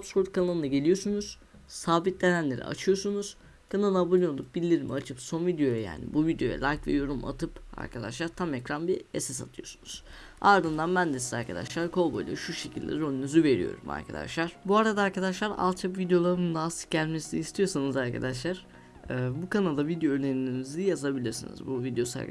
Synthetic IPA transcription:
apsfuɾt̪̚kʰanalˠɯnaɟe̞lʲijo̞sunuz̥ | saːbit̪̚d̪e̞nænlʲe̞̰ɾḭʔa̰t͡ʃʰɯjo̞sunuz̥ | kʰanaabulʲˠiolˠup̚bilʲːiɾimḭat͡ʃʰɯpso̞nvid̪ejo̞jaja̰ːnḭbuvid̪jo̞jɛ̰lʲˠajcvɛ̰jo̞ɾuma̰t̪ʰɯpa̰ɾkʰad̪a̰ʃlˠaɾt̪ʰamecɾanbiesɛsa̰t̪ʰɯjo̞su̥nuz̥ | aɾd̪ɯnd̪anbænd̪esizaɾkʰad̪a̰ʃlˠaɾkʰo̞lˠbo̞jlˠa̰ʃuʃe̞cʰilʲd̪ʲḛɾoninyzyve̞ɾḭjo̞̰ɾuma̰ɾkʰad̪a̰ʃlˠaɾ̥buaɾad̪aːɾkʰad̪aʃlˠaɾa̰lˠt̪t͡ʃʰapvid̪ejo̞lˠaɾɯmd̪aːsɟælʲmesiniist̪ʰijo̞sanɯzaɾkʰa̰d̪aʃlˠaɾ̥ | ɛːbukanalˠd̪avid̪ejonʲeɾinimizijazabilʲiɾsinḭzbuvid̪ejo̞sa̰ɾ

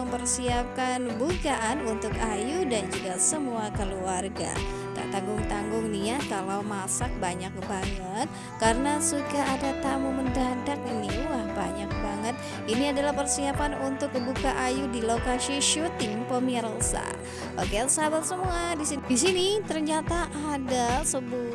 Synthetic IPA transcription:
əmpərsiap̚kanbukaʔanunt̪ʊkajudand͡ʒuɡasəmuakəluarɡa̰ | t̪a̰t̪aŋɡʊŋt̪aŋɡʊŋnijakalawmasak̚baɲak̚baŋət̪̚ | kaɾənasuɡaadat̪amuməndadak̚inilahbaɲak̚baŋət̪̚ | iniadalahpərsiapanunt̪ʊk̚ːəbukaʔajudilokasiʃut̪iŋpomiɛɾsa̰ | okelsabasəmuadisidisinit̪ərɲat̪aʔːdasəbu

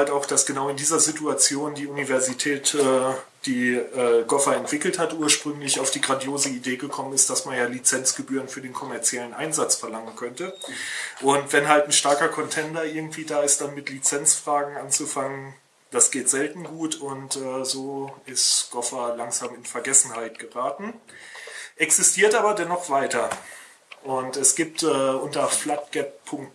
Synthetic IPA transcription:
haltaʊxd̥asɡ̥ənaʊɪndiːzɐzituat͡sjoːndiːunivɛɐzitʰɛːtɛː | d̥iːɛːɡɔfaɛntv̥ɪkl̩thatʔuːɐʃpʁ̥ʏŋlɪçaʊfd̥iːɡʁandjoːzəideːɡəkʰɔmənɪstd̥asmanjaːlit͡sɛnt͡sɡ̥əbyːʁ̞ənfyːɐdeːnkʰɔmɛɐt͡sjɛlənʔa̰ɪnzat͡sfɛɐlaŋənkʰœntəʔʊntv̥ɛnɦaltn̩ʃtaɐkɐkʰɔntʰɛndɐʔɪɐɡŋ̩tv̥iːdaːɪst̚d̥anmɪtlit͡sɛnt͡sfʁ̥aːɡŋ̩ʔant͡sufaŋən | d̥asɡ̥eːtz̥ɛltn̩ɡuːtʊntɛːzoːɪstɡ̥ɔfɐlaŋzaːmɪnfɛɐɡɛsn̩haɪt̚ɡ̥əʁaːtn̩ | ʔɛksɪstʰiːɐtʔaːbɐdɛnɔχv̥aɪtɐ | ʔʊntɛsɡ̥iːp̚tʔɛːʔʊntɐflat̚ɡ̥ɛp̚ʰːʊŋkt

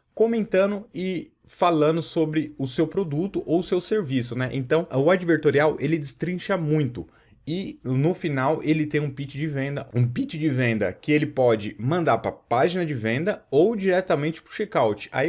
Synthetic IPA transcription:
kõmẽnt̪ɐ̃nd̪ʊɪ | falɐ̃nd̪ʊsobɾɪʊsewpɾod̪ut̪ʊʔowsewseɾvisʊnɛʔḛ̃nt̪ɐ̃w̃ʊad͡ʒiveɾt̪oɾiawʔelɪd͡ʒɪst̪ɾĩʃɐmũj̃t̪ʊ | ɪnʊfinawʔelɪt̪ẽj̃ũpit͡ʃɪd͡ʒɪvẽnd̪ɐũpit͡ʃɪd͡ʒɪvẽnd̪ɐ̰kɪelɪpɔd͡ʒɪmɐ̃nd̪aɾpɾɐ̰paʒinɐd͡ʒɪvẽnd̪ɐowd͡ʒiɾɛt̪ɐmẽnt͡ʃɪ̥pɾʊʃɛkawt͡ʃɪ̥a̰i

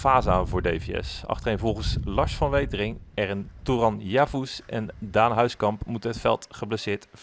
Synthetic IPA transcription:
aːzaːnvʊːɹdejviɛ̰sɑ̰χtərejnvɔlˠχənslɑɹsfɑnʋejtrɪŋɛrənturɑnjaːvusɛndaːnɦœɥskɑmpmutɦətfɛ̰lˠtχəbləsɪːɹt

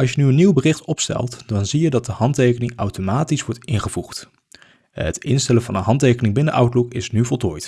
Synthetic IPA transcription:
ɑlˠs̬jənyəniwbərɪχtɔpstɛ̰lˠtd̥ɑnzijədɑt̚dəɦɑntejkənɪŋɑwtomaːtisʋɔɹtɪnχəvuχt | ətɪ̰nstɛləvɑnənɦɑntejkənɪŋbɪndəʔʌwtlukɪsnyvɔlˠtoːjt

